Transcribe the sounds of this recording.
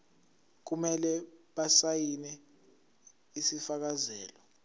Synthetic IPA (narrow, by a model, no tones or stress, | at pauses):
k̬umɛlɛɓasajinɛ | isifak̬azɛːlɔ